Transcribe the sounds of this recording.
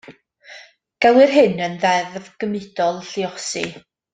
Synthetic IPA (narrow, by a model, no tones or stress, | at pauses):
ɡ̥ɛwˠɪrɦɨnənðɛðvɡ̥əmɪd̥ɔlˠɬiɔsḭ